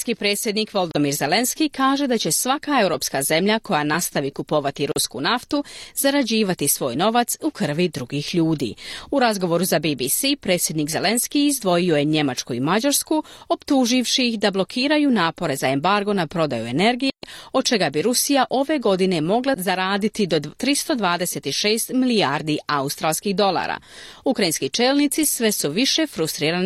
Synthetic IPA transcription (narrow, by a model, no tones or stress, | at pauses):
skipɾe̞ːt̪sʲje̞d̪nikʋo̞ld̪o̞miɾze̞le̞nskikaːʒe̞d̪at͡ɕe̞sʋakae̞wɾo̞ːpskaze̞mʎako̞janast̪aʋikupo̞ʋat̪iɾuskṵnaft̪uz̥aɾad͡ʑiːʋat̪isʋo̞̰ːjno̞ʋat̪sukr̩ʋid̪ɾuɡixʎuːd̪ḭːuɾazɡo̞ʋo̞ɾuzabibisipɾe̞t̪sjed̪nikze̞le̞nskiːzd̪ʋo̞jio̞je̞ɲe̞mat͡ʃkuimad͡ʑaɾskuo̞pt̪uːʒiʋʃiixd̪ablˠo̞kʰiːɾajunaːpo̞ɾe̞zae̞mbaɾɡo̞napɾo̞d̪ajue̞ne̞ɾɡijeo̞d̪̚t͡ʃe̞ɡabiɾusijaʔo̞ʋe̞ɡo̞d̪ine̞mo̞ɡlˠazaɾaːd̪it̪id̪o̞t̪ɾist̪o̞d̪ʋaːd̪e̞se̞t̪iʃe̞ːst̪miliaɾd̪iaust̪ɾaːlˠskiɣd̪o̞lˠa̰ːɾa̰ːukɾajinskit͡ʃeːlˠnit̪sisʋesuʋiʃe̞fɾust̪ɾiːɾan